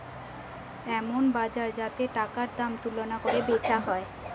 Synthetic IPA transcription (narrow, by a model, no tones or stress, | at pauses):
ɛmonbad͡ʑaɾd͡ʑat̪eʈakaɾd̪amt̪ulonakoɾebet͡ɕaɦɔe